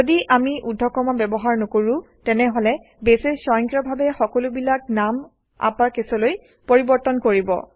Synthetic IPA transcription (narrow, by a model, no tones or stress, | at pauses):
odiʔamiʔudʱːɔkɔmabɛbɔɦaɹnokoɹu | tɛnɛɦolɛ | besesɔjɔŋkɹɔbʱabɛxɔkɔlʊbilaknam | a̰pakesɔloj | poɹibɔɹtɔnkoɹibɔ̰